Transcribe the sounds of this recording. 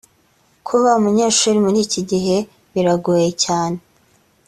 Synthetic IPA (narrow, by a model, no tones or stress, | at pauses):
kʰuβaumuɲeːʃuːɾimuɾiːciɟiɦe̞ | βiɾaɡuːjecaːne̞